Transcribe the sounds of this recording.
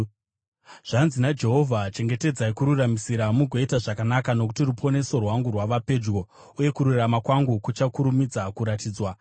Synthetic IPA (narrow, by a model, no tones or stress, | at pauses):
ʐ̥anzinad͡ʒe̞ɦo̞vʱat͡ʃe̞ŋɡe̞te̞d͡zaikuɾuramisiɾamuɡʱo̞itaʐakanakano̞ku̥tirupʰo̞ne̞so̞rwaŋɡurwaʋape̞d͡ʒɡo̞ | uje̞kuɾuramakwaŋɡukut͡ʃakuɾumid͡zakuɾatiːd͡zwa